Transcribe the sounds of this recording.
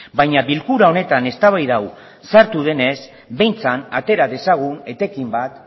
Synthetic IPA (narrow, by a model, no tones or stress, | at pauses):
bajɲaβilkuɾao̞ne̞t̪ane̞st̪aβ̞ajðaw | saɾt̪uð̞e̞nes | be̞jnt͡sanat̪e̞ɾaðe̞saɣ̞une̞t̪e̞kimbat̪